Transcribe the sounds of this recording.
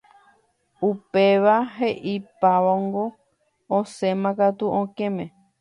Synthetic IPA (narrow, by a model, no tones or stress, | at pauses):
upe̞ʋaɦeʔipaʋoŋɡo | õsẽmãkat̪uʔõkẽmẽ